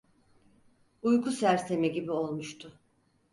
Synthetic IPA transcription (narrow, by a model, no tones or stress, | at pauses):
ujkʰusæɾse̞miɟibio̞lˠmuʃt̪ʰʊ